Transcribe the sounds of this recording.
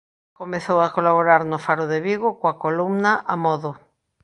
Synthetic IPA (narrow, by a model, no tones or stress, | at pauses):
komeθowakolaβoɾaɾnofaɾoðeβiɣokoakolumnaʔamɔðo